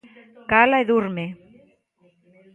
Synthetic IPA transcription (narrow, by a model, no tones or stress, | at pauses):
kalaeðuɾme